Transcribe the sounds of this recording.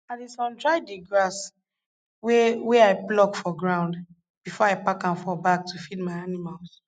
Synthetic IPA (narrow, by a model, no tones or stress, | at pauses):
atisɔ̃ndɹaɪdeɡɹas | wɛwɛaɪplɔɡfɔɡɹãʊ̃nd | b̥ifɔaɪpakãnfɔbak̚tʰufidmaɪanimals